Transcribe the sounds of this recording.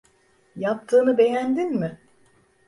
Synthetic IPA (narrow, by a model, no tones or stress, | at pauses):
jap̚t̪ʰɯːnɯbe̞jænd̪inmɪ